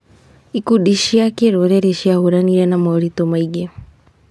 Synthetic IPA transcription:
ikuɗiʃiakɛɾɔɾɛɾɛʃiahuɾaniɾɛnamaɔɾit̪ɔmaiɡɛ

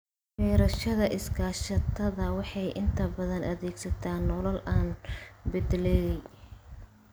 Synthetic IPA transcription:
ħɛːɾɐʃɐðɐʔɪskʰaːʃɐt̪ʰɐðɐwɑħɑjʔɪnt̪ʰɐbɐðɐnʔɐðɛːɡsɐt̪ʰaːnːɔlɐlʔaːnbɪd̪lɛːjɛj

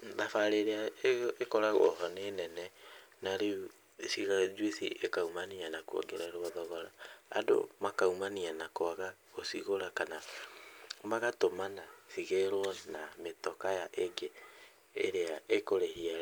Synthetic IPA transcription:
ðafaɾeɾeaekɔɾaɣɔɦɔneːnɛnɛnaɾe | siɣad͡ʒwisḭʔekaumanianakuɔ̰ɡeɾaeɾoɔðɔɣɔɾa̰ːdo̰makaumanianakoaɣaɣosiɣoɾakana | maɣatomanasiɣeɾɔnametɔkajaʔeɡeː | ɾeaekoɾehia

